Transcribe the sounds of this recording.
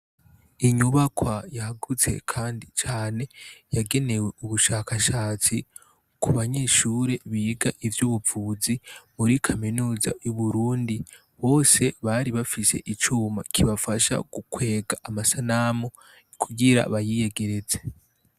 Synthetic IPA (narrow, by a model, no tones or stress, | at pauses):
iɲuβakwajahaɡut͡se̞̰kʰaːndit͡ʃaːne̞jaɡe̞ne̞we̞uβuʃaːkaʃaːt͡si | kʰuβaɲe̞ʃuːɾe̞βiɡaʔivjuβuvuːzimuɾikʰaminuːza̰juβuɾuːndi | βo̞ːse̞βaɾiβafise̞̰ʔit͡ʃuːma̰kʰiβafaʃa̰ɡ̥ukwe̞ːɡaʔamasanamo | kʰuɡiɾa̰βajijeɡe̞ɾe̞ze̞